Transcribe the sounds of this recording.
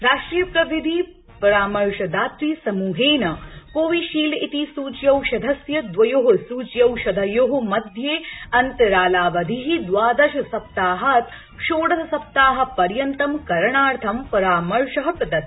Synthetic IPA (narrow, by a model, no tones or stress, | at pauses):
ɾaːʃʈɾijɐpɾɐʋid̪ʱi | pɐɾaːmɐɾʃɐd̪aːt̪ɾiːsɐmuːɦeːnɐkoːʋiʃiːlit̪isuːt͡ʃjɐwʃɐd̪ʱɐsjɐd̪ʋɐjoːɦusuːt͡ʃjɐwʃɐd̪ʱɐjoːɦŭmɐd̪ʱjeːɐnt̪ɐɾaːlaːʋɐd̪ʱiɦid̪ʋaːd̪ɐʃɐsɐp̚t̪aːɦɐt̪ | ʃoːɽɐɦɐsɐp̚t̪aːɦɐ̆pɐɾjɐnt̪ɐmkɐɾɐɳaːɾt̪ʰɐmpɐɾaːmɐɾʃɐɦɐpɾɐd̪ɐt̪